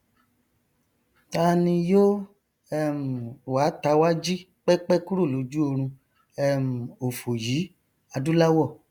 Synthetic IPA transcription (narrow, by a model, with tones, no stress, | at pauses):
ta˦nĩ˧joː˦ | ɛ˦˨m̩u˨wa˨˦ta˧˦wa˦d͡ʒi˦ | k͡pɛ˦k͡pɛ˦ku˦ɾo˦˨lo˨˦d͡ʒu˦o˧ɾ̃ũ˧ | ɛ˦m̩ũ˨o˨fo˨jiː˨˦ | a˧du˦la˦wɔ˦˨